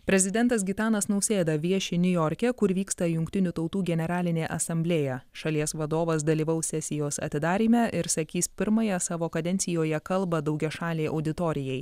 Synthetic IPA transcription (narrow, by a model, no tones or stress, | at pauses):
pʲɾʲɛzʲɪd̪ʲɛnt̪ɐsɡʲɪt̪ɑːnɐsnɐʊsʲeːd̪ɐʋʲiɛʃʲɪnʲʊjɔːɾʲkʲɛkʊɾʋʲiːkst̪ɐjʊŋʲkʲt̪ʲɪnʲʊt̪ɒʊt̪uːɡʲɛnʲɛɾɑːlʲɪnʲeːʔɐsɐmʲbʲlʲeːjɛʃɐlʲiɛsʋɐd̪oːʋɐs̬d̪ɐlʲiːʋɐʊsʲɛsʲɪjoːsɐ̰t̪ʲɪd̪ɑːɾʲiːmʲɛʔɪɾsɐkʲiːspʲɪɾmɐjɛsɑːʋoːkɐd̪ʲɛnʲsʲɪjoːjɛkɐlˠbɐd̪ɐʊɡʲɛʃɑːlʲeːʔɐ̰ʊd̪ʲɪt̪oːɾʲɪjɛɪ